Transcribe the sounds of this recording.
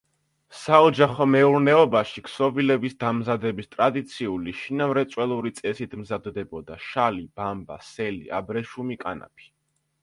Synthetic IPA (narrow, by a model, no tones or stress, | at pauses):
saɔd͡ʒaχɔmɛuɾnɛɔbaʃikʰsɔvilɛbisd̪amzad̪ɛbist̪ʼɾad̪it̪sʰiuliʃinamɾɛt̪sʼwɛlˠuɾit̪sʼɛsit̪ʰmzad̪d̪ɛbɔd̪aʃalib̥amba̰sɛlḭa̰bɾɛʃumikʼana̰pʰi̥